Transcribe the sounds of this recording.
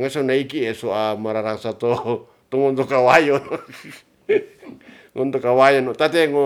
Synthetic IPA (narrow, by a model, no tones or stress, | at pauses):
ŋasonaikiesoamaɾaɾaŋsat̪o | t̪oŋɔnt̪okawajon | ŋɔnt̪okawajonot̪at̪eŋo